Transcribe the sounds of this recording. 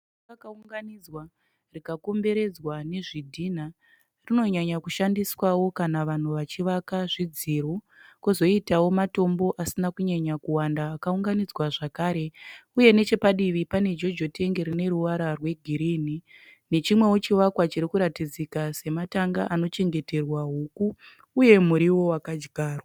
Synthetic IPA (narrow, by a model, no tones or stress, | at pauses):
akauŋɡanid͡zwa | rikako̞mbe̞ɾe̞d͡zwane̞ʐidʱin̤a | rino̞ɲaɲakuʃandiswawo̞kanaʋan̤uʋat͡ʃiʋakaʐid͡ziru | kuzo̞itawo̞mato̞mbo̞ʔasinakuɲaɲakuwandaːkauŋɡanid͡zwaʐakaːɾe̞uje̞ne̞t͡ʃe̞paɗiʋipane̞d͡ʒo̞d͡ʒo̞te̞ŋɡeɾine̞ɾuʋaɾarwe̞ɡʱiɾiːni | ne̞t͡ʃimwe̞wot͡ʃiʋakwat͡ʃiɾikuɾatid͡zikase̞mataŋɡaʔano̞t͡ʃe̞ŋɡe̞te̞rwaɦukuː | je̞muɾiwo̞wakad͡ʒɡʱaːrwa